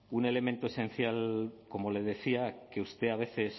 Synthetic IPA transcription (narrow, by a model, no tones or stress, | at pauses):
une̞le̞ment̪oese̞n̟θjalko̞mo̞le̞ð̞e̞θiake̞ust̪e̞aβ̞e̞θe̞s